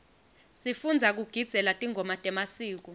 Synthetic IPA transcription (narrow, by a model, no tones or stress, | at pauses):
sifund͡zʱak̬uɡ̥ʱid̥z̥ʱɛlatʼiŋʱɔmatʼɛmasiːk̬ɔ